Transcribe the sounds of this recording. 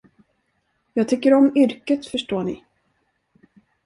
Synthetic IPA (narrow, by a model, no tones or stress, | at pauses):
jɑːɡ̚t̪ʰʏkːəɾɔmʏɾkət̪fœʂʈoːɳɪ̰